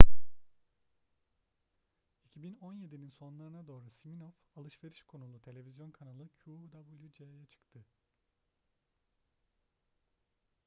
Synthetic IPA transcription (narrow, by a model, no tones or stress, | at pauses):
icʰibino̞nje̞d̪ininso̞nlˠaɾɯnad̪o̞ːɾasiminofalˠɯʃve̞ɾiʃkʰo̞nulˠut̪ʰe̞lʲe̞vʲizjo̞nkʰanalˠɯcʰud̪abulʲˠjud͡ʒeajat͡ʃʰɯ̥kt̪ʰɯ